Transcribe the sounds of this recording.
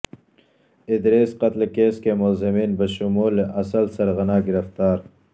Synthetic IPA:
ɪd̪ɾeːsqɐt̪lekeːskemʊlzɪmiːnbɐʃʊmuːlʔɐsɐlsɐɾɣɐnaːɡɪɾɐft̪aːɾ

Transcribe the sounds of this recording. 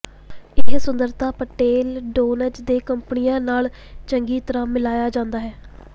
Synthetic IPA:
ɪɦsʊnd̪əɾt̪aːpəʈeːlɖoːnəd͡ʒd̪eːkəmpənijãːnaːl | t͡ʃəŋɡiːt̪əɾãːmɪlaːjaːd͡ʒãːnd̪aːɦɛː

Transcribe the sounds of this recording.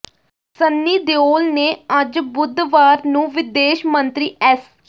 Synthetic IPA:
sənːiːd̪eoːlneːəd͡ʒbʊd̪ʋaːɾnũːʋɪd̪eːʃmənt̪ɾiːɛs

